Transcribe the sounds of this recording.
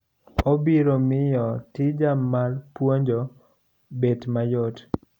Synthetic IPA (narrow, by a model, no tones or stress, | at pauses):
obiɾomɪjɔtɪd͡ʒamːalpwoɲd͡ʒo | betmajot